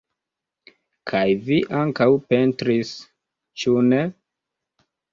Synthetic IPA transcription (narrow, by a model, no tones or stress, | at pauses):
kʰajviʔaŋkawpentɾis | t͡ʃune